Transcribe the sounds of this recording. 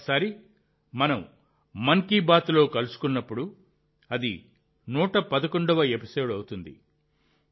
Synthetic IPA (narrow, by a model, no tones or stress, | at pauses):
saːɾi | mɐnɐm | mɐŋkiːbaːt̪lo̞ːkɐlusu̥kunːɐpːuɽu | ɐd̪ḭ | nuːʈɐpɐd̪ɐkoɳɖɐʋɐepi̥so̞ːɖɐwut̪und̪ḭ